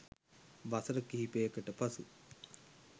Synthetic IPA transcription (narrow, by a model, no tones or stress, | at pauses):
ʋasəɾəkiɦipejəkəʈəpɐsu